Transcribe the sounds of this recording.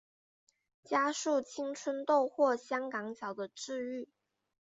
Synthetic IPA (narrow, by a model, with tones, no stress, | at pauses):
t͡ɕja˥ʂu˥˩t͡ɕʰi˥ŋʈ͡ʂʰwə˥nt̪o˥˧ʊxwɔ˥˩ɕjɑ˥ŋkɑ˧˥ŋɕʰjɑ˧˥ʊd̪ə˧ʈ͡ʂɻ̩˥˧y˥˩